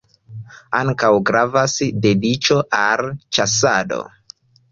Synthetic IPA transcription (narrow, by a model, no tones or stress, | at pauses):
aŋkawɡɾavasde̞dit͡ʃo̞ʔalt͡ʃasado̰